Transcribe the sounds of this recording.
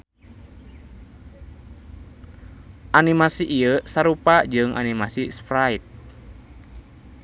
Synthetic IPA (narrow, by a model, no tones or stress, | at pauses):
ʔanimasiʔiəsaɾupad͡ʒɨŋʔa̰nimasispɾait̪̚